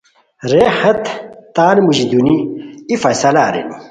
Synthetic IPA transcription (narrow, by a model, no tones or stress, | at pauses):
ɾehɐt̪t̪aːnmuʑid̪uniifɐjsɐlaːɾḛni